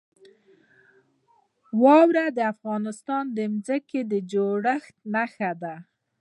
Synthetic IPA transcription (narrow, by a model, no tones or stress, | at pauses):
wɑwɾad̪əafɣɑnɪst̪ɑnd̪əmzəked̪əd͡ʒoɽəxt̪̚naxad̪a